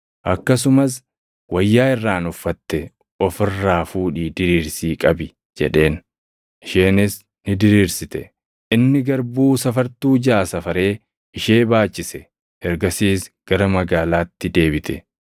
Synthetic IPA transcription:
ʔɐ̰kːɐsʊmɐs̬ | wɐjːaːɪrːaːnʊfːɐt̪ːɛ | ɔfɪrːaːfuːᶑiːd̪ɪɾiːɾsiːkʼɐbɪ | d͡ʒɛ̰ᶑe̞ːn | ʔɪʃeːnɪs | nɪd̪ɪɾiːɾsɪt̪ɛ | ʔɪnːɪɡɐɾbuːsɐfɐɾt̪uːd͡ʒaːsɐfɐɾe̞ː | ɪʃe̞ːbaːt͡ʃːɪsɛ | ɛɾɡɐsiːsɡ̥ɐɾɐmɐɡaːlaːt̪ːɪd̪e̞ːbɪt̪ʰɛ

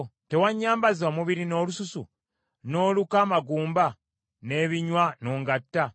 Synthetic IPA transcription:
te̞waɲːaːmbaziwamuβiɾino̞ːlususṵ | no̞ːlukaːmaɡuːmba | ne̞ːβiɲwanoːŋɡatːa

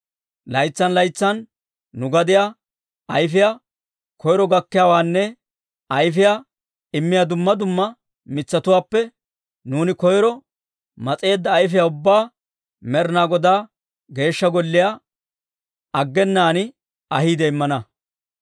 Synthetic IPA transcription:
lɐjt͡sːɐnlɐjt͡sːɐn | nʊɡɐd̪ɪja | ɐjfɪja | kɔjɾɔɡɐkːɪjaːwaːnːɛ | ɐjfɪja | ɪmːɪjad̪ʊmːɐd̪ʊmːɐ | mɪt͡sːɐt̪ʊwaːpːɛ | nuːnɪkɔjɾɔ | mɐt͡sʼe̞ːd̪ːɐːjfɪjaʊbːaː | mɛɾnaːɡɔd̪aː | ɡe̞ːʃːɐɡɔlːɪja | ɐɡːɛnːaːnɪ | ɐhiːd̪ɛɪmːɐnɐ

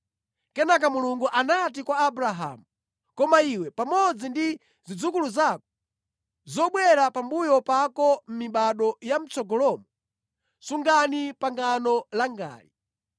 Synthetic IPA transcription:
kɛnak̬amuluŋɡuʔanat̬ikwaːbuɾaɦa̰mu | kɔmaiwɛpamɔd͡zindi | zid͡zukuluzakɔ̥ | zɔɓwɛɾapambujɔpakɔm̩miɓaɗɔjam̩t͡sɔɡɔlɔmɔ | suŋɡanipaŋɡanɔlaŋɡa̰ːlḭ

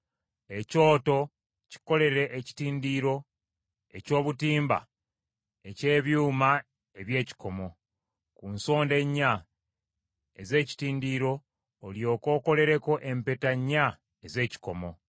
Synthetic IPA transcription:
e̞co̞ːto̞ | ci̥ko̞le̞ɾe̞ʔeci̥tiːndiːɾo̞ | e̞co̞ːβutiːmba̰ | e̞ce̞ːβjuːma | eβje̞ːci̥ko̞mo̞ | kunso̞ːnde̞ɲːa | ḛze̞ːci̥tiːndiɾo̞ː | ljo̞ːko̞ːko̞le̞ɾe̞ko̞ʔe̞mpetaɲːa | eze̞ːci̥ko̞mo̞

